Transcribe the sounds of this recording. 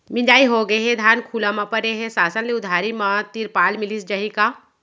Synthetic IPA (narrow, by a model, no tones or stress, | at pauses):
mɪ̃d͡ʒaːiɦoɡəeɦɛ̃d̪ʱjaːnkʰuːlãmãpɐɾeɦɛ̃saːsənleʊd̪ʱaːɾimãt̪iɾpaːlmɪlisd͡ʒaɦika